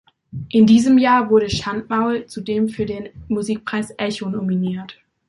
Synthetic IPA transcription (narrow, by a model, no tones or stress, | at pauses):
ʔɪndiːzəmjaːɐvʊɐɾəʃantmaʊlt͡sudeːmfyːɐdeːnmuziːk̚pʁ̥aɪsʔɛçonominiːɐt